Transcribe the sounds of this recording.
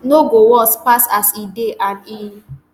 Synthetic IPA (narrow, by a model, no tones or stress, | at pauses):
noɡowɔspasasideʔani